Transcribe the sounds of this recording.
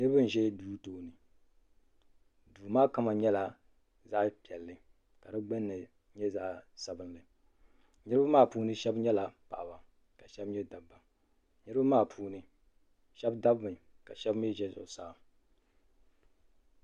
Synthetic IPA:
nɨ˦ɾɨ˦bɨ˦n̩˨ʒɛ˦duː˦toː˦˨nɨ˨ | duː˨maː˦ka˦ma˨ɲɛ˦la˨ | za˦ʔpi˨ɛ˨lːɨ˨ | ka˨dɨ˦ɡ͡bɛ˦nːɨ˨ | ɲɛ˦za˦ʔsa˨bɨ˦nlɨ˨ | nɨ˦ɾɨ˦ba˦maː˦˨puː˦nɨ˦ʃɛ˦bɲɛ˦la˨pa̰˨ʔa˨ba˨ | ka˨ʃɛ˦bɲɛ˦da˨bːa˨ | nɨ˦ɾɨ˦ba˦maː˦˨pʰuː˦nɨ˦ | ʃɛ˦bda˦bmɨ˨ka˨ʃɛ˦bmi˦ʒɛ˦zʊ̰˨ʊ˨saː˨

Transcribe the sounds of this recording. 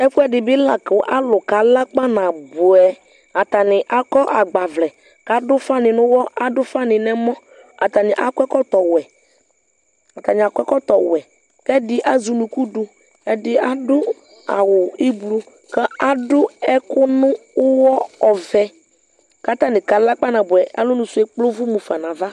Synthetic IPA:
ɛ˦fʊ˦ɛ˦dɪ˨bɪ˦la˨kʊ˨ʔa˦lʊ˨ka˨la˦k͡pa˦na˨bʊ˨ɛ˨ | a˨ta˨nɪ˨ʔa˨kɔ˦ʔa˨ɡ͡ba˨vlɛ˨ | ka˨dʊ˦fa˦nɪ˨nʊ̃˦wɔ˦ʔa˨dʊ˦fa˦nɪ˨nɛ˦mɔ˦ | a˨ta˨nɪ˨ʔa˦kʷɛ˦kɔ˦tɔ˨wɛ˨ | a˨ta˨nɪ˨a˨kʷɛ˦kɔ˦tɔ˨wɛ˨ | kɛ˦dɪ˦ʔa˦zʊ˨nʊ̃˨ku˦dʊ˨ | ɛ˨dɪ˦a˨dʊ˦ | a̰˨wʊ˨i˦blu˦ | kɛ˦a˦dʊ˦ɛ˦kʊ˦nʊ̃˦ʊ˦wɔ˦ɔ˨vɛ˨ | ka˦t̪a˦nɪ̃˨ka˨la˦k͡pa˦nã˨bʊ˨ɛ˨a̰˦lʊ˦nʊ̃˨sʊ˨˦ɛ˨k͡plo˦vʊ˦mu˨fa˨nã˨va˦

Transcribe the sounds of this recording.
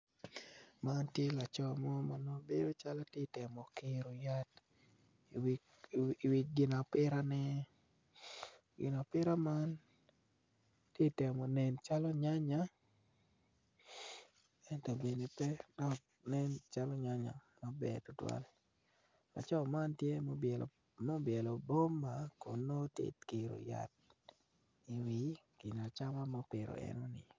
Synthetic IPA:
ma˦ntje˦la˨t͡ʃɔ˦˨mɔ˦ma˨no˦be˦do˦t͡ʃa˦la˦te˦tɛ˨mɔ˨kɪ˦ɾo˨ja˦t | w | wi˨ɡɪ˨na˨pɪ˦ɾa˦nɛ˦ | ɡɪ̰˨na˨pɪ˦ɾa˦ma˦n | tje˦tɛ˨mɔ˨nɛ˨nt͡ʃa˦lɔ˦ɲa˦ɲa˦ | ɛ˨ntɔ˨bje˨ni˨pɛ˦dɔ˨k | nɛ˦nt͡ʃa˦lɔ˦ɲa˦ɲa̰˨mɔ˦bɛ̰˨tʊ˨twa̰˦l | la̰˨t͡ʃɔ˦ma˦ntje˦b | mo˦bjɛ˨lo˨bo˦ma˨ko˨nːo˦tɪ̰˨tki˨ɾo̰˨ja̰˨t̚ | i˨wi˨ɡ̥ɪ˨na˨t͡ʃa˦ma˦mɔ˨˦pɪ˨ɾo̰˨ɛ̰˦no˦nɪ˨

